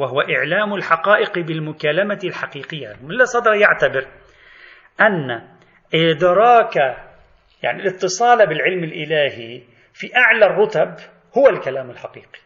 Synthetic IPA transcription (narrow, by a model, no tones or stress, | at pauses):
waɦʊwaʔɪʕlaːmʊlħaqɑːʔɪqbɪlmʊkaːlamalħaqiːqɪjːa̰mɪlːasˤɑd̪ɾˤɑjaʕt̪abɪɾ | ʔanːa | ʔɪd̪ɾˤɑːka | ja̰ʕnilɪt̪ːɨsˤɑːlabɪlʕɪlmɪlʔɪlaːhi | fiʔaʕlarˤːʊt̪ab | hʊwalkalaːmɪlħaqiːqi̥